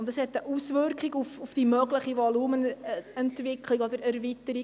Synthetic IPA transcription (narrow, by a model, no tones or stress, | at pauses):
ʊntdɑshɛtːəʔusvʏrkχiɡufufd̥imœɡləχivɔluːmənɛntvɪkʰliɡɔd̪əɾæɾvitəɾi